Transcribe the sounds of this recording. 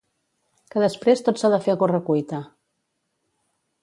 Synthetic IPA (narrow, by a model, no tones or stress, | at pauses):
kəðəspɾest̪otsaðəfeɣorəkujt̪ə